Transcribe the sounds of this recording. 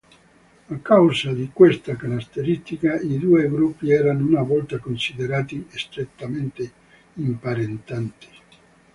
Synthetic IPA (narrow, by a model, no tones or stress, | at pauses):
akːawzsad̪ikwest̪akanast̪eɾist̪ikaid̪uːeɡɾupːiɛːɾanounavɔlt̪akonsid̪eɾaːt̪iest̪ɾet̪ːament̪e | impaɾent̪ant̪i̥